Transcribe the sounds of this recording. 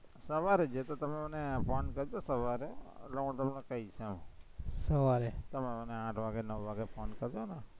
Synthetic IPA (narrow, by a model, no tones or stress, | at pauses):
səʋaɾed͡ʒet̪ot̪əmẽmənepɔnkəɾd͡ʒ̪osəʋaɾeloɡõt̪əmnẽkəit͡ʃʰɛmõsəʋaɾet̪əmẽməneãːʈʰʋaɡɛnəʋʋaɡepʰɔnkəɾd͡ʒ̪ona